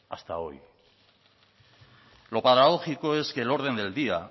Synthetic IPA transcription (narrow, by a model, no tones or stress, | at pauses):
a̰st̪ao̞̰j | lo̞paðaɣo̞xiko̞e̞ske̞lo̞ɾðe̞nd̪e̞ld̪ia